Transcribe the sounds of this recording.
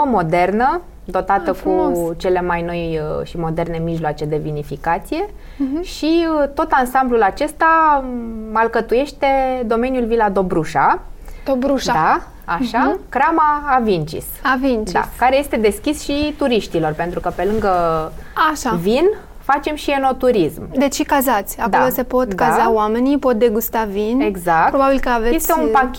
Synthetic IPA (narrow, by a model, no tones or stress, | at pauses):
mo̞d̪e̞rnə | d̪o̞t̪at̪əkut͡ʃe̞le̞majno̞jʃimo̞d̪e̞rne̞miʒloat͡ʃe̞d̪e̞vinifikat̪sije̞ | ʃiət̪o̞t̪ansamblulat͡ʃe̞st̪a | malkət̪uje̞ʃt̪e̞d̪o̞me̞njulvilad̪o̞bɾuʃad̪obɾuʃdd̪a | aʃakɾamaːvint͡ʃḭsavint͡ʃiskaɾe̞je̞st̪e̞d̪e̞skʲisʃit̪uɾiʃt̪ilo̞rpe̞nt̪ɾukəpe̞lɨŋɡəaʃavin | fat͡ʃe̞mʃieno̞t̪uɾismd̪e̞t͡ʃʃikazat̪sʲako̞lose̞po̞t̪d̪kazawame̞nipo̞t̪̚d̪e̞ɡust̪avineɡzakpɾo̞babilkəavejest̪eunpakʲ